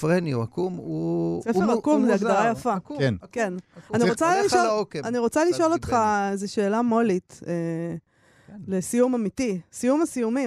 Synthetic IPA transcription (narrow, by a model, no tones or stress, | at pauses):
fʁeniuakumuseeakumzeaɡ̪aʁajafankenaniʁot͡saliʃoaniʁo̞t͡saliʃo̞lo̞t̪χaezeʃe̞ːlamo̞lite | lesijumamitisijumasijumi